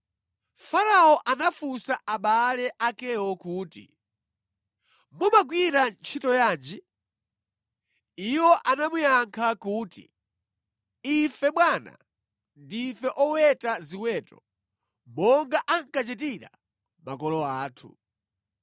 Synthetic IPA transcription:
faɾaɔʔanafusaʔaɓalɛʔakɛwɔkuːtḭ | mumaɡwiɾant͡ʃʰitɔjaːnd͡ʒi | iwɔʔanamujaŋkʰakuːtḭ | ifɛɓwana̰ | ndifɛʔɔwɛtaziwɛːtɔ | mɔŋɡaʔaŋkat͡ʃɛtiɾa̰ | makɔlɔaːtʰṵ

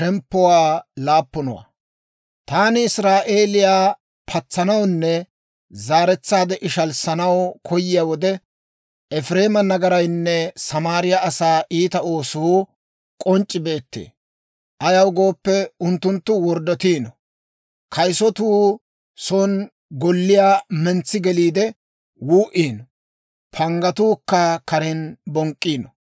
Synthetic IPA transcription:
ʃɛmpːɔwaːlaːpːʊnɔ̰wa̰ | t̪aːnɪɪsɾaːʔe̞ːlɪjaː | pʰɐt͡sːɐnɐwnːɛ | zaːɾɛt͡sːaːd̪ɛʔɪʃɐlsɐnɐwkʰɔjɪjaːwɔd̪ɛ | ɛfɾe̞ːmɐnɐɡɐɾɐjnːɛsɐmaːɾɪjaɐsaːʔiːt̪ɐo̞ːsʊhu | kʼɔnt͡ʃʼːɪbe̞ːt̪ːḛː | ʔɐjɐwɡo̞ːpːɛʊnt̪ːʊnt̪ːʊwɔɾd̪ɔt̪iːnɔ | kʰɐjsɔt̪uː | soːn | ɡɔlːɪjaːmɛnt͡sːɪɡɛliːd̪ɛ | wuːʔiːnɔ | pʰɐŋɡɐt̪uːkːɐkɐɾɛnbɔŋkʼːiːnɔ

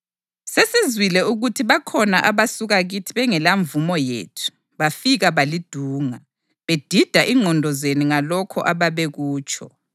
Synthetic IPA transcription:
sesizwilɛuɣutʰiβakʰɔnaʔaβasuɣaɣitʰiβɛŋɛlaɱvumɔjḛːtʰu̥ | βafiɣaβalid̥ʱuːŋa | βed̥ʱid̥ʱaʔiŋɔndʱɔzeniŋalɔkʰɔ̰ʔaβaβeɣuːt͡ʃʰʼɔ̰

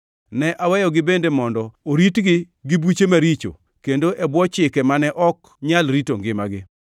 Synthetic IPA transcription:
nɛʔawɛjɔɡɪbendemɔndɔoɾitɡɪ | ɡɪbut͡ʃemaɾit͡ʃo̰ | kendoʔɛbwɔt͡ʃɪkɛmanɛʔɔk | ɲalɾitoŋɡɪmaɡɪ

